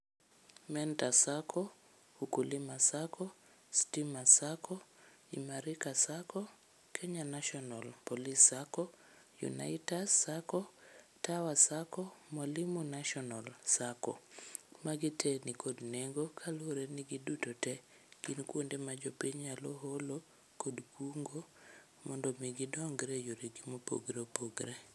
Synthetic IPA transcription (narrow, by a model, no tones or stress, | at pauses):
mɛntasakʰɔ | hukulimasakʰɔ | stimasakʰɔ | ḭmaɾikasakɔ | kʰɛɲanaʃɔnalpɔlisːakɔ | jṵna̰itasakɔtawasakɔmalimunaʃɔnɔlsakɔ̰maɡitʰɛnikodneŋɡokʰaloɾeniɡidutotɛ | ɡ̥inkwondemad͡ʒopiɲaloɦolo | kodkʰuŋɡo | mɔndɔmiɡidɔŋɡɾejoɾiɡimopo̰ɡɾepoɡɾe